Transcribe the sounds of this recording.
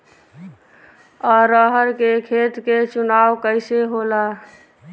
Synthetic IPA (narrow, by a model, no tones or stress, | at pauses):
ɔɾəɦəɾkekʰet̪ket͡ʃunawkəɪseɦola